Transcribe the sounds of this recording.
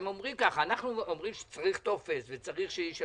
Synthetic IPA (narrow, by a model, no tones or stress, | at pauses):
momʁimkaχanaχnuomʁimʃe̥t͡saʁiχt̪ofesvet͡saʁiχʃejiʃ